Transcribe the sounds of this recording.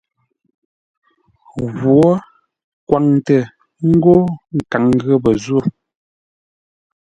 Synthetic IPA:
ɣwɔ˦ | kwʔa˨ŋtə˨ | ŋ̩˦ɡo˦ŋ̩˨ka˨ŋɣə˦bə˨zwo˦˨

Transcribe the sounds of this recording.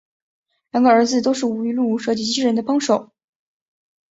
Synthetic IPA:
lja˧˩ŋɡə˧ə˞˧˥d͡zɹ̩˧t̪o˥ʊʂɻ̩˥˩u˧˥i˧lu˥˩ʂɤ˥˩t͡ɕi˧˥˩t͡ɕi˥ɻə˧˥nd̪ə˧pɑ˥ŋʂo˨˩˦ʊ

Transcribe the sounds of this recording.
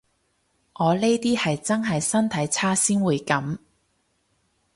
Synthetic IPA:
ŋɔː˨˧le˥jt̪iː˥hɐ˨jt͡sɐ˥nɦɐ˨jsɐ˥nt̪ʰɐ˨˥jt͡sʰaː˥siː˥nwuː˨˧jkɐ˨˥m

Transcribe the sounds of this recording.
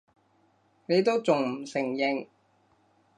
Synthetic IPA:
ne˨˧jt̪o˥wt͡sʊ˨ŋm̩˨˩sɪ˨˩ŋjɪ˨ŋ

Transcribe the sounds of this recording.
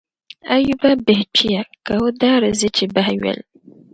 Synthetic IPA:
a˦ju˦ba˦bɪ˨ht͡ʃʰi˦ja˨ka˨wo˦daː˦ɾɨ˨zɨ˦t͡ʃi˨ba˦hɥɛ̰˨l

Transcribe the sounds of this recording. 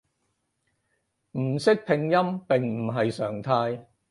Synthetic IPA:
m̩˨˩sɪ˥k̚pʰɪ˧ŋjɐ˥mpɪ˨ŋm̩˨˩ɦɐ˨jsœː˨˩ŋt̪ʰaː˧j

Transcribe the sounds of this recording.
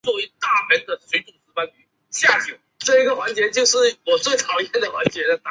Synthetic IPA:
t͡swɔ˥˩i˧˥t̪a˥˩mə˧˥nd̪ə˨swe˧˥ɪʈ͡ʂʊ˨˩ŋt͡sɹ̩˧˥pa˥ny˥˩ | ɕja˥˧t͡ɕʰi˥˩ | ʈ͡ʂɤ˥˩i˧˥ɡə˨˩xwa˧˥nt͡ɕjɛ˧˥t͡ɕjo˥˧ʊʂɻ̩˥˩wɔ˨˩t͡swe˥˩ɪt̪ʰɑ˨˥ʊt͡ɕjɛ˥˩nd̪ə˩xwa˧˥nt͡ɕjɛ˧˥d̪ə˨˧t̪a˧

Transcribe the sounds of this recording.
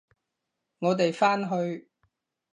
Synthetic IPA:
ŋɔː˨˧t̪e˨jfaː˥nɦɵ˧ɥ

